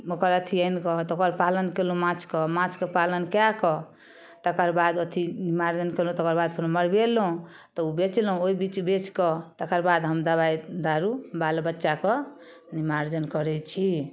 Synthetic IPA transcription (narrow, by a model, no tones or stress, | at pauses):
okəɾət̪ʰiəjnkɔt̪okəɾpalənkelũmãt͡ʃkɔmãt͡ʃkəpalənkjakɔ | t̪əkəɾbad̪ət̪ʰinimaɾd͡ʒənkelũt̪ɔkəɾbad̪pʰnuməɾbelɦũ | t̪ɔubet͡ʃlɦũoibit͡ʃbet͡ʃkɔt̪əkəɾbad̪ɦəmd̪əβajd̪aɾubalbətːʃakɔ | nimaɾd͡ʒənkɔɾɛt͡ʃʰi